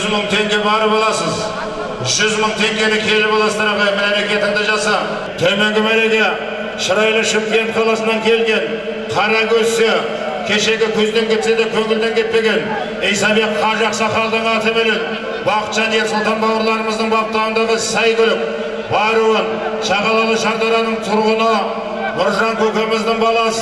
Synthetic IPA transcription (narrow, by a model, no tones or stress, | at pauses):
zməɴt̪ʰe̞ŋɡʲe̞bɑɾəpɑlˠɑsəz | ʒʏzməɴt̪ʰe̞ŋɡʲe̞nɪkʲʰe̞lɪpɑlˠɑsd̪ɑɾɑpɑjmemekʲe̞t̪ɪŋd̪ɪʒɑsɑ | t̪ʰɵmeŋɡʲɪmæɾeɡ̪e̞ | ʃəɾɑjlˠəʃəmpijent̪qʰɑlˠɑsənɑŋkʲʰe̞lɡʲe̞n | qʰɑɾɑkʲʰɵse | kʲʰe̞ʃe̞ɡʲɪkʲʰɵzd̪e̞ŋkʲʰe̞t̪se̞d̪ekʲʰɵŋɪld̪eŋkʲʰe̞t̪̚pe̞ɡʲe̞n | ejsɑbe̞qqʰɑʒɑqsɑχɑlˠd̪əɴɑt̪əbeɾen | bɑqə̥t̪ʒ̥ɑnije̞ɾsot̪ʰɑnbɑwəɾlˠɑɾəməzd̪əɴbɑət̪ːlˠɑʁənd̪ɑʁəsɑjɡ̪ʲɪɾp̚ | bɑɾuwən | ʃɑʁɑlˠɑlˠəʃɑɾd̪ɑɾɑnəɴt̪ʰʊɾʁʊnə | mʊɾʒɑŋkʲʰɵkʲemɪzd̪ɪɴbɑlˠɑs